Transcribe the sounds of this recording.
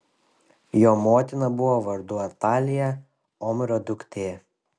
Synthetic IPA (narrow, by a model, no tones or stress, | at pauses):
joːmoːt̪ʲɪnɐbʊʋoːʋɐɾd̪ʊɐt̪ɑːlʲɪjɛ | ɔmʲɾɔd̪ʲʊkt̪ʲeː